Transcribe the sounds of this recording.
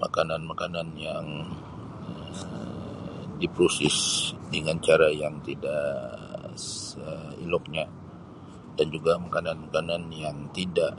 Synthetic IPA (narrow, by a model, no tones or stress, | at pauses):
ma̰kananmakananjaŋ | ə | dipɾusɪsdəŋant͡ʃaɾajaŋt̪idaʔ | səḭlɔk̚ɲa | dand͡ʒuɡamakananmakananjaŋt̪idaʔ